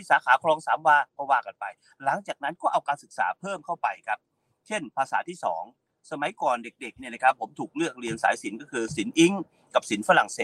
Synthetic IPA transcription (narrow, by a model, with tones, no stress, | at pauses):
iː˥˩saː˨˦kʰaː˨˩˦kʰlɔː˧ŋsaː˩˦mwaː˧kɔː˥˩waː˧˩ka˧npa˧j | la˩˦ŋt͡ɕaː˨˩k̚na˦˥nkɔː˥˩ʔa˧wkaː˧nsɯ˨˩k̚sa̰ː˩˦pʰɤː˥˩mkʰa˥˩wpa˧jkʰa˦˥p̚ | t͡ɕʰe˥˩npʰaː˧sa̰ː˩˦t̪ʰiː˥˩sɔ̰ː˩˦ŋ | sa˧ma˨˩˦jkɔː˨˩nde˨˩k̚de˨˩k̚ni˥˩na˧˩kʰa˦˥pʰːo˩˦mt̪ʰuː˨˩k̚lɯ˥˩ək̚ɾi˧ənsaː˩˦jsi˩˦nkɔː˥˩kʰɯː˧si˩˦nʔi˦˥ŋ | ka˨˩p̚si˨˩˦nfa˧la˨˩ŋseː˨˩